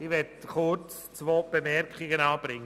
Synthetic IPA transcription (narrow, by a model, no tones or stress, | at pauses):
ɪʋɛdkʊt͡s | t͡svoːb̥emɛɾkχɪɡənɑːb̥ɾɪŋə